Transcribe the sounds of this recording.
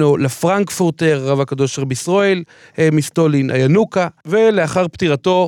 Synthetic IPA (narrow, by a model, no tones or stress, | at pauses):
olefʁaŋkfuʁt̪eʁʁavakad̪o̞ʃeʁbisʁoel | mist̪o̞linʔa̰janukave̞le̞aχaʁpt̪iʁat̪o̞